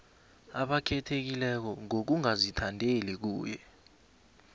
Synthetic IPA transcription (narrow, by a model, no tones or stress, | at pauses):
aɓakʰɛtʰek̬ilɛk̬ɔŋok̬uŋazitʰandʱelik̬uːjɛ